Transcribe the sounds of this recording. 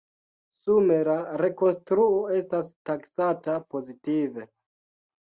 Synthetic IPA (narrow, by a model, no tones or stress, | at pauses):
sume̞laɾe̞ko̞nstɾuo̞e̞stastaksatapo̞zitive̞